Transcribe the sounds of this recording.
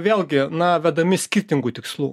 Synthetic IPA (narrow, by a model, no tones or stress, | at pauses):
ʋʲeːlʲˠɡʲɪnɐʋʲæd̪ɐmʲɪsʲkʲɪrʲt̪ʲɪŋɡuːt̪ʲɪkslˠṵː